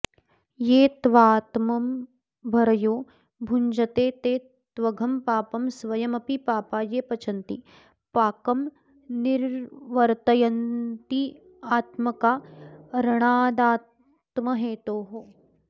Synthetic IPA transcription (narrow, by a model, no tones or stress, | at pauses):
jeːt̪ʋaːt̪mɐm | bʱɐɾɐjoː | bʱuɲd͡ʒɐt̪eːt̪eː | t̪ʋɐɡʱɐmpaːpɐmsʋɐjɐmɐpipaːpaːjeːpɐt͡ʃʰɐnt̪ḭ | paːkɐm | nɪɾʋɐɾt̪ɐjɐnt̪i | aːt̪mɐkaːɾɐɽ̃aːd̪aːt | t̪mɐɦeːt̪oːɦoː